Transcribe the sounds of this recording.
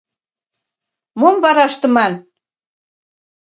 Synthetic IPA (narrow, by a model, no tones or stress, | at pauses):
momβɑɾɑʃt̪ɤ̆mɑn